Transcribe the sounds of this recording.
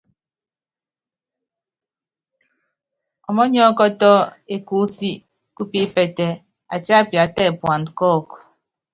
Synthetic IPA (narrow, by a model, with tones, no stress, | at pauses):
ɔ˨mɔ˦ɲɔ˦kɔ˦tɔ˦e˨ku˦si˦ | ku˦pi˦pɛ˨tɛ˨ | a˨t͡ʃa˦˨pja˨tɛ˦˨pwa˨nkɔ˦˨k